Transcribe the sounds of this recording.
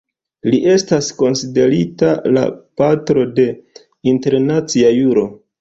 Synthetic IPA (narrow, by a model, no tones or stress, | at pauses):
liʔe̞stasko̞nside̞ɾitala̰patɾo̞de̞ | inte̞ɾnat͡siajuɾo̞